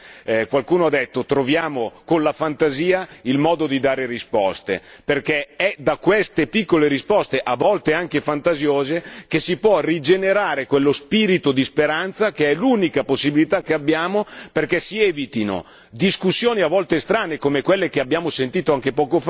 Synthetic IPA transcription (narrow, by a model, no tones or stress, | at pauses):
kwalkuːnoad̪ɛt̪ːot̪ɾovjaːmokonlafant̪aziːailmɔːd̪od̪id̪aːɾerispɔst̪ḛperkɛɛd̪akwest̪epikːoleɾispɔst̪eʔavɔlt̪eaŋkefant̪azjoːzekesipwɔrid͡ʒeneɾaːɾekwelːospiːɾit̪od̪ispeɾant̪sakeɛluːnikaposːibilit̪akːeabːjaːmoperkɛsiɛːvit̪ino̰ | d̪iskusːjoːniavːɔlt̪est̪ɾaːnekomekwelːekeabjaːmosent̪iːt̪oaŋkepɔːkof